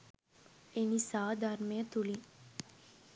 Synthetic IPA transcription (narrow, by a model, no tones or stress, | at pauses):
enisaːd̪ʱaɾmejət̪uli